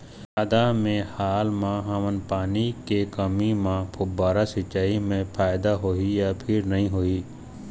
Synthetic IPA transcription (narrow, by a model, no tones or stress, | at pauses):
əd̪amẽhaːlmãɦamənpaːnikekəmimãpʰʊbaːɾasɪt͡ʃːaːimẽpʰaːɪd̪aɦoːijapʰɪɾnɐɦĩɦoːi